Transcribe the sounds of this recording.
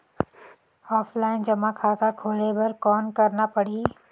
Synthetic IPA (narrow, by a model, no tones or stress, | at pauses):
ɔːfʰlaːɪnd͡ʒɐmãkʰaːt̪akʰoːlebɐɾkɔːnkɐɾnapəɽ̤iː